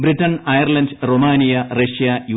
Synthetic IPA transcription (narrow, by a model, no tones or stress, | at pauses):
britːɐnɐjɐrlɐndromaːnijɐreʂijɐju